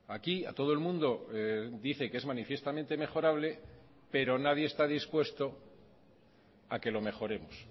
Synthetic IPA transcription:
akia̰t̪o̞ðoe̞lmũnd̪o̞d̪iθe̞keezmanifje̞st̪amẽnt̪e̞me̞χo̞ɾaβle̞ | pe̞ɾo̞nað̞jeːst̪aðispwe̞st̪o̞ | ake̞lo̞me̞xo̞ɾe̞mos

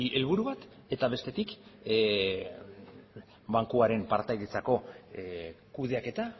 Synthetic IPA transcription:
iʔe̞lβuɾuβat̪ | e̞t̪aβe̞st̪e̞t̪ik | baŋkuaɾe̞mpaɾt̪ajðet͡sako̞ | kuð̞e̞ake̞t̪a

